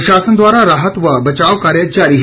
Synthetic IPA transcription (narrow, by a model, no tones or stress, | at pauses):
ɕaːsənd̪ʋaːɾaɾaɦət̪ʋəbət͡ɕaʋkaːɾjət͡ɕaɾiɦ